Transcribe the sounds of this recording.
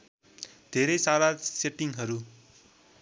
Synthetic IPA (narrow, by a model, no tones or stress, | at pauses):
d̪̥ʱeɾʌjsaɾaseʈiŋɦʌɾu